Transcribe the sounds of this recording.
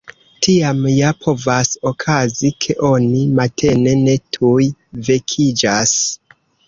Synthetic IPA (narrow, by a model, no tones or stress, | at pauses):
tʰiamjapʰo̞vaso̞kʰazikʰe̞ʔo̞nimatʰe̞ne̞ne̞tʰujve̞kʰid͡ʒas